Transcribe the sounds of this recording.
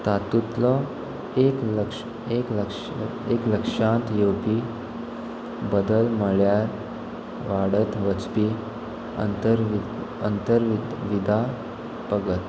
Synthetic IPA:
t̪at̪ut̪lɔ | ekəkʂ | ekləkʂ | ekləkʂãnt̪jewpi | bəd̪əlməɭjaɾ | ʋaɽət̪ʋət͡spiː | ə̰nt̪əɾ | ənt̪əɾʋid̪ʱa | pəɡət̪

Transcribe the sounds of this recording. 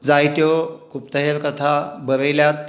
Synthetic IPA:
d͡zajt̪jɔkupt̪əɦeɾkət̪ʰabəɾəjljat̪̚

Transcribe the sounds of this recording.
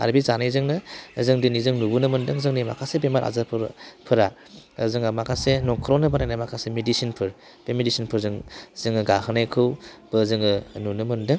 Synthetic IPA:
a̰ɾbizanajzɯŋnɯzɯŋdɯnizɯŋnubunɯmɯndɯŋzɯŋnima̰kʰasebemaɾʔa̰zapʰɾpʰɯɾa | zɯŋamakʰasenɔŋkʰɯɾɔnɯbanajnamakʰasemedisinpʰɯɾ | b̥emedisinpʰɯɾzɯŋzɯŋɯɡahɯnajkʰɯwb̥ɯzɯŋɯnunɯmɯndɯŋ

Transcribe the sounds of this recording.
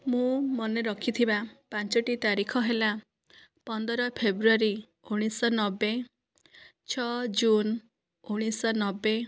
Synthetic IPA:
mũmɔneɾɔkʰit̪ʰibapant͡ʃɔʈit̪aɾikʰɔɦela | pɔnd̪ɔɾɔpʰebɾuaɾi | uɽ̃isɔnɔbe | t͡ʃʰɔd͡ʒun | uɽ̃isɔnɔbːe

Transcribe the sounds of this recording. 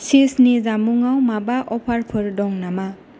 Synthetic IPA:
sisnizamuŋawmabaʔɔpʰaɾpʰɯɾdɔŋnama

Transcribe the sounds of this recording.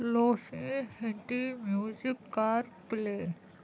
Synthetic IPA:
loːsẽhẽɳʈimjuːzikːaːɾpleː

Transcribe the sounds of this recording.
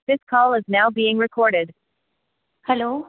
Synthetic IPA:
ðɪskʰɔlˠɪznaʊbiːɪ̃ŋɹɨkʰɔɹɾɪd̥ | hɛloː

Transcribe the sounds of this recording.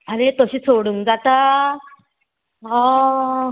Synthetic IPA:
anet̪əɕiːt͡sʰoɽuŋd͡zat̪a | ɔ

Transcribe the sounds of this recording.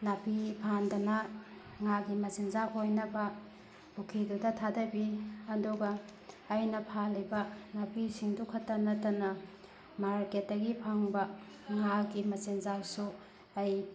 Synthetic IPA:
napipʰandɐnɐ | ŋaɡimɐt͡ʃenzapɦojnɐbɐ | ukʰidudɐtʰadɐbiɐduɡɐː | jnɐpʰalːibɐnapʰisiŋdukʰɐtːɐnɐtɐnɐ | maɾket̚dɐɡipʰaŋbɐ | ŋaɡimɐt͡ʃenzawsu | ɐj

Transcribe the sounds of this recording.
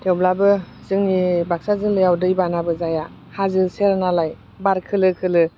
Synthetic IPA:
tʰewblabɯ | zɯŋnibak̚sazɯŋlɯjawdɯjbanabɯzaja | hazɯseɾnalaj | baɾkʰɯlɯkʰɯlɯ

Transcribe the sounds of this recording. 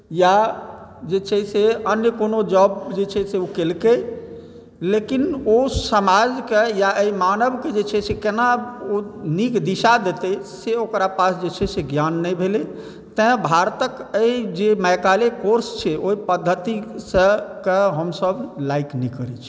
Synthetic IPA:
ja | d͡ʒet͡ʃʰɛseənjəkonod͡ʒɔbd͡ʒet͡ʃʰɛseokelke | lekinosəmad͡ʒkejaʔəimanəbked͡ʒet͡ʃʰɛsʰekenaonikd̪iʃad̪et̪əseokɾapasd͡ʒet͡ʃʰɛseɡjanːɛjbʱele | t̪ə̃bʱaɾt̪əkəid͡ʒeməjkalekoɾst͡ʃʰɛoipəd̪ʱːət̪isəkeɦəmsəblaiknikəɾɛt͡ʃʰi̥

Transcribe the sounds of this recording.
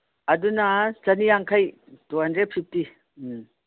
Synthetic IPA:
ɐdunɐsɐnijaŋkʰaj | tuɦɐndɾed̚pʰip̚ti

